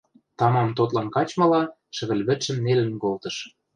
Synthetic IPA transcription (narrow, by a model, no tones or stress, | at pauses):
t̪ɑmɑmt̪ot̪lɑnkɑt͡ɕmɤ̆lɑ | ʃɘ̆βɘ̆lβɘ̆t̪ʃə̆mnelə̆nkolt̪ɤ̆ʃ